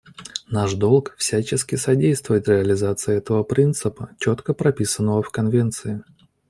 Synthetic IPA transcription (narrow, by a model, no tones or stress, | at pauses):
naʂd̪o̞lˠkfsʲæt͡ɕɪskʲɪsɐdʲejst̪vʊjɪt̪ɾʲɪəlʲɪzat̪sɨjɛt̪əvəpɾʲint̪sɨpət͡ɕot̪kəpɾɐpʲisənːəvəfkɐnvʲent̪sɨɪ